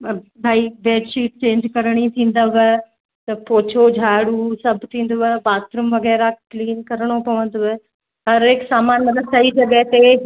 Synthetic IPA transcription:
bʱaːiʋeːɖʃiːʈ̚t͡ɕẽːɲd͡ʑkɐɾɽ̃it̪ʰĩːnd̪aʋə | t̪ɐpoːt͡ɕʰod͡ʑʱaːɽusɐbʱt̪ʰĩːn̆d̪oʋebaːt̪ɾʊmʋɐɡɛːɾakliːnkɐɾəɽ̃opɐʋə̃nd̪oe | ɦɐɾeksaːmaːnmɐt̪ləbsɐid͡ʑɐɡəɦt̪e

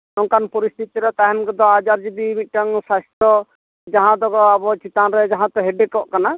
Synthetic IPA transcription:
nɔŋkanpɔɾist̪ʰit̪iɾɛt̪aɦɛmkɔd̪ɔad͡ʒaɾd͡ʒibimit̪̚ʈaŋsast̪ɔ | d͡ʒaɦãd̪ɔɡɔabɔt͡ʃit̪anɾɛd͡ʒaɦãt̪ɔɦɛɖɛkɔʔkana

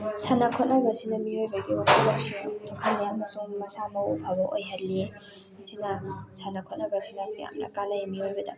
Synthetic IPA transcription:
sanɐkʰɔt̚nɐbɐsinɐmiojbɐɡiotʰulɐp̚sitʰɔkʰɐlːiɐmɐsuŋmɐsamɐupʰabɐʔo̰jɦɐlːe | sinɐsanɐkʰɔt̚nɐbɐsinɐmija̰mnɐ̰kalɐjimiojbɐdɐ̰

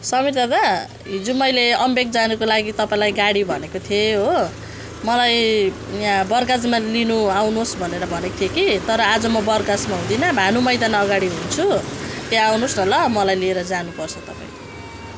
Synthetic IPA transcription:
sʌmirt̪ʌd̪a | ɦid͡zumʌjleʌmbeɡ̚d͡zanukolaɡit̪ʌpaĩlajɡaɽibʱʌnekot̪ʰjeɦo | mʌlaj | jabʌrɡad͡zmalinuawnosbʱʌneɾʌbʱʌnet̪ʰjekit̪ʌɾʌad͡zʌmʌbʌrɡad͡zmaɦũd̪inʌbʱanumʌjd̪anʌɡaɽiɦunt͡sʰut̪eawnosnʌlʌmʌlajlieɾʌd͡zanupʌrt͡sʰʌt̪ʌpã̰ĩl

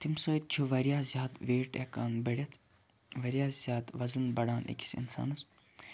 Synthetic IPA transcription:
t̪ʰimsoːit̪̚t͡ʃʰuʋɐɾijaːzʲjaːt̪ʋeːʈeːkaːnbɐɽʲɐt̪ʰ | ʋɐɾijaːzʲjaːt̪ʋɐzɨnbɐɽaːnʔḛkʰʲi̥sḭnsa̰ːnɐs

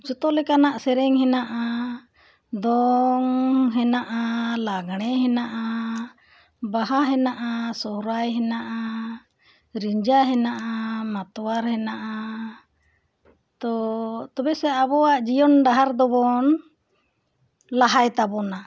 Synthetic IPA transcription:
d͡ʒɔt̪ɔlɛkanaʔsɛɾɛŋɦɛnaʔa | d̪ɔŋɦɛnaʔalaɡɽ̃ɛɦɛnaʔa | baɦaɦɛnaʔasɔhɾajɦɛnaʔa | ɾiɲd͡ʒaɦɛnaʔamat̪ɔwaɾhɛnaʔa | t̪ɔt̪ɔbɛsɛabɔaʔd͡ʒijɔnɖaɦaɾd̪ɔbɔn | laɦajt̪abɔna

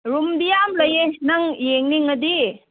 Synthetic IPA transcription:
ɾumdijamlɐjenɐŋjeŋniŋɐd̪i

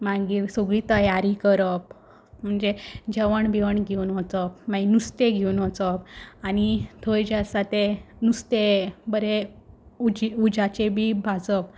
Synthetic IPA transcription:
mãɡiɾsoɡɭiːt̪əjaɾikəɾəp̚ | m̤əɳd͡zed͡ʑəʋəɳbiʋəɳɡʱewnɦot͡səp̚mãinust̪eɡʱewnɦot͡səp̚anit̪ʰojd͡ʑasat̪enust̪ebəɾe | ud͡ʑiud͡ʑat͡ɕebʱiːbʱad͡zəp̚

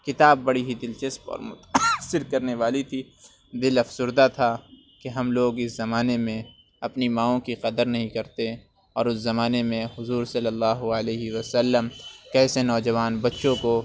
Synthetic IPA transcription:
kɪt̪aːbːɐɽiɦid̪ɪlt͡ʃɐspɔ̰ːɾmʊt̪sɪɾkɐɾneʋaːlit̪ʰi | d̪ɪlɐfsʊɾd̪at̪ʰa | keɦɐmloːɡɪszɐmaːnemẽ | ɐpnimãːõkiqɐd̪əɾnɐɦĩkɐɾt̪e | ɔːɾʊszɐmaːnemẽɦʊzuːɾsɐlːəlːaːɦuəleːɦiʋɐsɐlːəmkɛːsenɔːd͡ʒɐʋaːnbɐtːʃõko

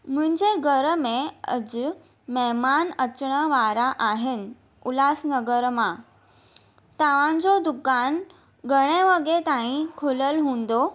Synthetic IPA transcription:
mʊ̃ɦɪ̃ɲd͡ʑeɡʱəɾəmẽə̰d͡ʑ | mɛɦmanət͡ɕɽ̃əʋaɾaʔaɦenɪ̆ | ʊlaːsnəɡəɾmã | t̪aʋ̤ãɲd͡ʑod̪ʊkaːn | ɡʱəɽ̃eʋəɠet̪aĩkʰoləlɦũːnd̪o

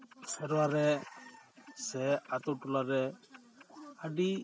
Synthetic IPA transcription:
sɛɾwaɾɛ | sɛat̪uʈulaɾɛ | aɖi

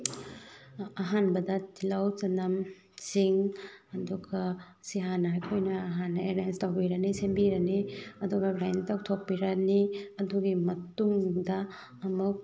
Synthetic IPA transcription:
ɐɦanbɐdɐtʰilawt͡ʃɐnɐm | t͡ʃiŋɐduɡɐ | siɦanɐːjkʰojnɐːɦanːɐeɾanstawbiɾɐnisembiɾɐniɐduɡɐbɾajntawtʰok̚piɾɐniɐduɡimɐtuŋdɐː | muk̚

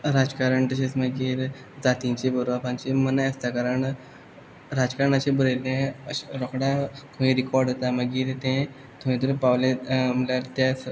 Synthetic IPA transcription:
ɾad͡zkaɾəɳt̪əɕesməɡiːɾ | d͡zat̪ĩt͡ɕebəɾʋapãɲt͡ɕemənajəst̪akaɾəɳ | ɾad͡zkaɾəɳat͡ɕẽbəɾelẽəɾɔkɽat̪ʰumĩɾikɔɾɖət̪aməɡiːɾt̪ẽ | t̪ʰumĩt̪uɾpaʋlẽməlaɾt̪jas

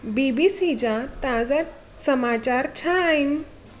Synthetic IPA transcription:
bibisit͡ɕat̪ãd͡za | səmat͡ɕaɾt͡ɕʰajn

